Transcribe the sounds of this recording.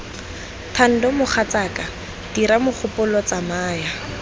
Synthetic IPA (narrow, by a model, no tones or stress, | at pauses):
tʰan̩dɔmʊχʰat͡saka | d̥iɾamʊk͡xʰʊpʊlɔt͡samaːja